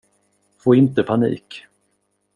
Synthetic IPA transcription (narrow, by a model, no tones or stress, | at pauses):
foːɪnt̪əpʰanḭːk